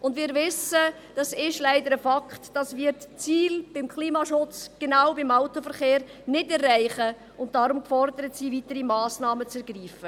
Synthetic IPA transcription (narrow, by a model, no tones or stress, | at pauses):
ʔʊndʋɪːɾʋɪsə | d̥ɑsɪʃlæɪdəɾəfɑkχtd̥ɑsvɪɾtt͡siːlb̥ɪmkχliːmɑʃʊt͡sɡ̥enaʊbɪmaʊtofəɾχeːɾnɪdɛrːæɪχə | ʊnt̚d̥ɑɾʊmkfɔɾdəɾətsiːvitəɾimɑːsnɑːmət͡sɛɾɡ̥riːfə